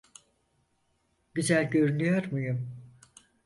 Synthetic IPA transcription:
ɟyzælʲɟø̞ɾynyjoɾmujum

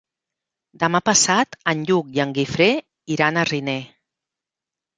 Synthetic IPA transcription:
d̪əmapəsat̪ənʎuk̚jəŋɡifɾe | iɾanərine

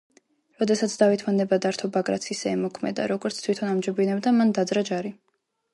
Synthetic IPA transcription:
ɾɔd̪ɛsat̪sʰd̪avit̪ʰmanɛbad̪aɾt̪ʰɔbaɡɾa̰t̪sʰisɛɛmɔkʰmɛ̰d̪a̰ɾɔɡɔɾt̪sʰt̪ʰwit̪ʰɔnamd͡ʒɔbinɛbd̪amand̪ad̪zɾad͡ʒaɾi

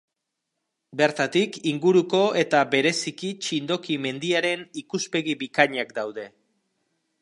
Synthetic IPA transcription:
be̞ɾt̪at̪ikiŋɡuɾuko̞e̞t̪abe̞ɾe̞sikit͡ʃind̪o̞kime̞nd̪iaɾe̞nikuspe̞ɣibikaɲakd̪awðe̞

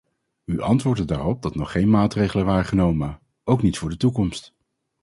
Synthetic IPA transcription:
yʔɑntʋʊːɹdədaːrɔp̚dɑtnɔχːejnmaːtrejχələnʋaːɹəχənowmə | owknitfʊːɹdətukɔmst

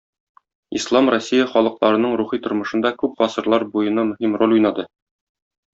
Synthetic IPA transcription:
islˠɑmrosʲːijɑχɒlˠɤ̆qlˠɑɾɤ̆nɤɴɾuχit̪ŏɾmɤ̆ʃɤ̆nd̪ɑkʉp̚ʁɒsɤ̆ɾlˠɑɾbujɤ̆nɑmɵ̆ɦimrolʲujnɑd̪ɤ

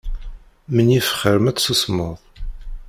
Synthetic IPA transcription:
mənifə̥χəɾəmæt͡sːsusmʊðˤ

